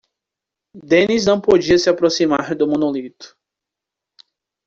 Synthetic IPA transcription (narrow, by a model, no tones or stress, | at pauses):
d̪ẽniznɐ̃w̃pod͡ʒiɐsɪapɾosimaɾd̪ʊmõnolit̪ʊ̥